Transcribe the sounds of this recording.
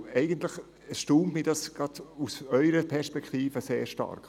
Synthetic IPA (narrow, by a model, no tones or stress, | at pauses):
ɛɪɡənt̪lɪχ | əʃtuːmtmiːdɑsɡ̥ɑdusœʏɾəpʰɛʃpɛkʰt̪iːfəseːɾʃtɑ̰rk